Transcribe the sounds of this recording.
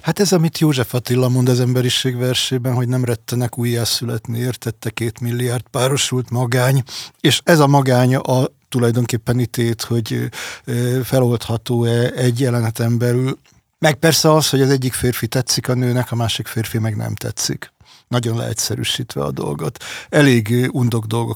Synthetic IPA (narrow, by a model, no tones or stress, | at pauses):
hat̪ɛzɒmit̪joːʒɛfɒt̪ilːɒmo̞nd̪ɒzɛmbɛɾiʃeːɡʋɛrʃeːbɛnɦo̞ɟnɛmrɛt̪ːɛnɛkuːjːaːsylɛt̪neːeːrt̪ɛt̪ːɛkeːt̪milːiaːrd̪paːɾo̞ʃult̪mɒɡaːɲeːʃɛzɒmɒɡaːɲɒt̪ulɒjd̪o̞ŋkeːpːɛnit̪eːt̪ho̞ɟ | fɛlo̞lt̪hɒt̪oːɛɛɟːjɛlɛnɛt̪ɛmbɛlyl | mɛk̚pɛrsɛɒsho̞ɟɒzɛɟːikfeːrfit̪ɛt̪sikɒnøːnɛkɒmaːʃikfeːrfimɛɡnɛ̰mt̪ɛ̰t̪sḭk | nɒɟo̞nlɛ̰hɛ̰t̪ʲsɛɾy̰ːʃiːt̪ʋɛ̰ɒ̰d̪o̞̰lɡo̞t̪ɛleːɡund̪o̞ɡd̪o̞lɡo̞